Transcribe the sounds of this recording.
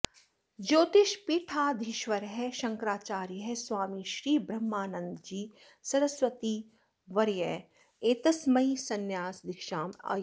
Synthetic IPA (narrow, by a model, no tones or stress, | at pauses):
d͡ʒoːt̪ɪʃpiːʈʰaːd̪ʱɪʃʋɐɾɦɛʃɐ̃ŋkɾaːt͡ʃaːɾjɦɛsʋaːmiʃɾiːbɾɐmːaːnənd̪d͡ʒiː | sɐɾəsʋɐt̪iː | ʋɐɾjɛ | eːt̪ɐsmɐisɐnjaːsd̪ɪkʃaːma̰ː